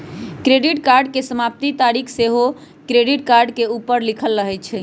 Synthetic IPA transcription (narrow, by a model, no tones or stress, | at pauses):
kɾeɖiʈkaɾɖkesəmap̚t̪it̪aɾikʰseɦo | kɾeɖiʈkaɾɖkeupəɾlikʰəlːəɦɛt͡ʃʰɛ